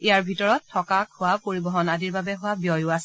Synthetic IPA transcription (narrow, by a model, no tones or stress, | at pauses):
ijaɹbʱitɔɹɔtʰːɔkakhʊwapoɹibɔɦɔnadiɹbabɛɦʊwabjɔjʊasɛ